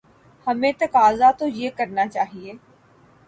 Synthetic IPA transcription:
həmẽːt̪əkaːzat̪ojeːkəɾnaːt͡ʃaːɦieː

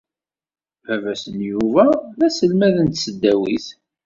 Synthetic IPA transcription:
vævæsənjuvæðæsəlmæðənt̪səd̪ːæwiθ

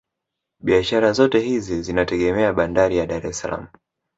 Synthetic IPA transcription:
ɓiaʃaɾazɔtɛhizizinatɛɠɛmɛaɓandaɾijaɗaɾɛsala̰mu

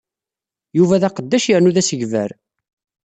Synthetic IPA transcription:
juvæðæqəd̪ːæʃjəɾnuðæsəʝvæɾ

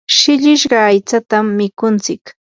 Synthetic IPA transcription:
ʃɪʎɪʃɢɑːjt͡sat̪amːɪkʊnt͡sɪk

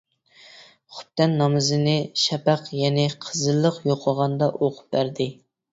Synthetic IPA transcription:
χʊ̥p̚t̪ɛnːɑmɨzɨnɪʃɛpæqjɛnɪqʰəzɨlˠːəqjoqʰəʁɑnd̪ɑʔoqʰʊ̥p̚bæɾd̪ɪ

